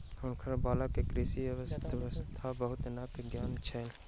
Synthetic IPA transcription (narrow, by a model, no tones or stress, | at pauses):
hʊnkʰəɾbaːlakekɾiːsiɐʋəst̪ʋəst̪ʰabəɦʊt̪nɐkɡjaːnt͡ʃʰɛ